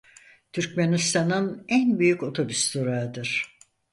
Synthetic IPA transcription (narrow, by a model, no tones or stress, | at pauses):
t̪ʰyɾcmenist̪ʰanɯnænbyjyco̞t̪ʰo̞byst̪oɾaɯd̪ɯɾ̥